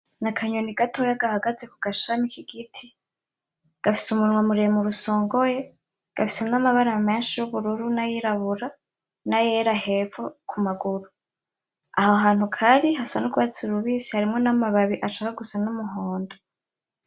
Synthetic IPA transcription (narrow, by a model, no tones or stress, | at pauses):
nakʰaɲoniɡatʰojaɡahaɡaze̞kuɡ̥aʃamikʰiɡitʰi | ɡ̥afi̥sumunŋwamuɾemuɾuso̞ːŋɡo̞je̞ | ɡ̥afi̥se̞namaβaɾame̞ːnʃijuβuɾuɾunajiɾaβuɾa | najeɾahe̞ːfokumaɡuɾu | ahoɦaːn̥hukʰaɾiɦasanuɡuat͡suɾuβiːsihaɾimŋo̞namaβaβiʔat͡ʃaːwaɡusanumuɦoːndo